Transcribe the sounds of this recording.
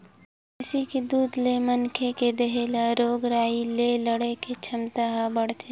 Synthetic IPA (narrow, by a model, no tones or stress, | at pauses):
ɪsiked̪uːd̪lemɐnkʰeked̪ɐɦelaɾoːɡɾaːileləɽeket͡ʃʰɐmt̪aɦãbəɽt̪ʰe